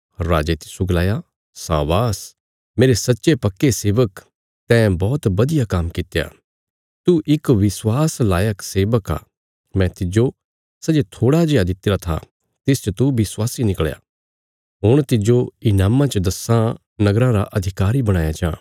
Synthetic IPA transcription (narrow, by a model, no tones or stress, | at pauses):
ɾa̰ːd͡ʒet̪ɪsuɡlaːja | sã̰ːʋaːs | meːɾesɐtːʃepɐkːeseːʋək | t̪ɛ̃bɔːt̪bɐd̪ɪjakaːmkɪt̪ːeja̰ː | t̪uʔɪkʋɪswaːslaːjəkseːʋəka̰ː | mɛ̃t̪ɪd͡ʒo | sɐd͡ʒet̪ʰoːɽad͡ʒejad̪ɪt̪ːeːɾat̪ʰa̰ | t̪ɪst͡ʃət̪ubɪswaːsinɪkɭja̰ | ɦʊɽ̃t̪ɪd͡ʒoɪnaːmãt͡ʃəd̪ɐsã | nɐɡɾãɾaʔɐd̪ʱɪkaːɾibɐɽ̃ãːjat͡ʃãː